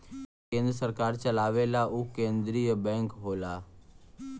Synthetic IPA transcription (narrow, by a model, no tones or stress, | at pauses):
kẽːnd̪ɾəsəɾkaːɾt͡ʃəlaːʋelaʔukẽːnd̪ɾiːjəbɛ̃ːŋkɦoːlaː